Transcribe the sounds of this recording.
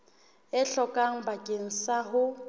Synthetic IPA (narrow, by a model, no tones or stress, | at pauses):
ɪɬɔkʼaŋ̩bakʼeŋ̩saɦʊ